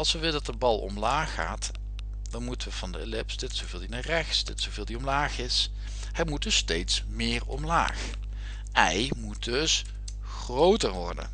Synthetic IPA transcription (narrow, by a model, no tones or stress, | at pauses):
ɑlˠsʋəʋɪlədɑtdəbɑlˠɔ̰mlaːxːa̰ːt | d̥ɑnmutəʋəv̥ɑndəḛlɪpsdɪtsowvɪːlˠdinarɛxsdɪtsowvɪːlˠdiɔmlaːχɪs | hɛjmud̚dɵstejtsmɪːɹɔ̰mla̰ːx | ʔɛjmud̚dɵs | xrowtəɹʋɔ̰ɹdə̰n